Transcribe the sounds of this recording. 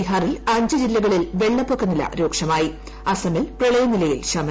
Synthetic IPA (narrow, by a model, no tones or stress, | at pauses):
iɦaːrilɐɲd͡ʑɨd͡ʑilːɐɣɐɭilʋe̞ɭːɐpːokːɐnilɐ̰ɾo̞ːkʂɐmaːji | ɐsɐmilprɐɭɐjɐnilɐjilɕɐmɐ